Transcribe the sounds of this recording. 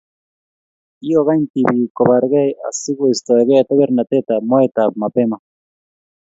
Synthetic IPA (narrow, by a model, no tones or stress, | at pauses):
ioɣajnt̪ibikoβaɾɣejasiɣuist̪oeɣeat̪eβeɾnat̪et̪amoet̪apmapema